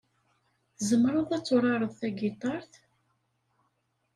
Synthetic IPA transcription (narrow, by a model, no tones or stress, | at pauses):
zəmːɾˤʊðˤæt͡sːʊɾˤɑɾˤəðˤθæɡit̪ˤɑɾˤθ